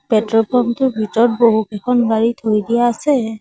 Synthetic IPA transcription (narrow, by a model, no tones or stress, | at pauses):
pɛtɹɔpʰɔmtʊɹbʱitɔɹt̚boɦukɛkʰɔnbaɹitʰojdijaːsɛ